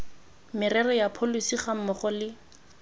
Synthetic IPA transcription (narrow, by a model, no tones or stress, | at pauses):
mɪrɛrɔjapʰolisiχam̩mɔχʊlɪ